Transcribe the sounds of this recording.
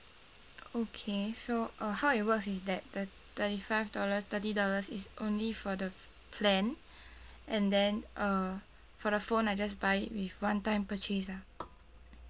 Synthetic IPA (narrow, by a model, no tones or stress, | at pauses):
okʰesoʔʌhaʊit̚wəksisdɛt̚də | t̪ətifaɪvdɔləst̪ətidɔləsisʔõ̰nlifɔdə | pʰlɛ̃n | ʔɛ̃ndɛ̃nʔʌ | fɔdəfõnajd͡ʒas̬baɪḭt̚wifwãntãɪ̃mpət͡ʃisa